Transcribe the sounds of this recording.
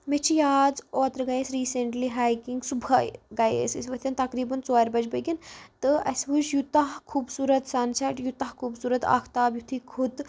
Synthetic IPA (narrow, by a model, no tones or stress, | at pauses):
met͡ʃʰijaːd͡zoːt̪ɾɐɡɐjesɾiːseɳʈliɦaːjkiŋɡsubʱɐjɡɐjḛːsɐ̰sʋɐt̪ʰɐnt̪ɐkɾiːbɐnt͡soaːɾʲbɐd͡ʒbɐɡʲint̪ɨɐsʋud͡ʒjut̪aɦkʰuːbsuːɾɐt̪sansɐʈjut̪ɐɦkʰuːbsuːɾɐt̪a̰ːkʰt̪aːbjut̪ʰikʰut̪